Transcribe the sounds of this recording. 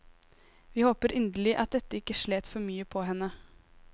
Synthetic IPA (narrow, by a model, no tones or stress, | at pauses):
ʋiːhoːpəɾʔʏnd̪əlɪʔɑt̪̚d̪ɛt̪ːəɪkːəʂɭeːt̪fɔɾmyːəpʰɔːɦɛnːə